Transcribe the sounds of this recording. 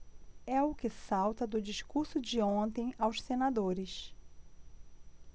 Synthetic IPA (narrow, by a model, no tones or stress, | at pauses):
ɛʊkɪsawt̪ɐd̪ʊd͡ʒiʃkuɾsʊd͡ʒɪõnt̪ẽj̃awʃsenad̪oɾɪʃ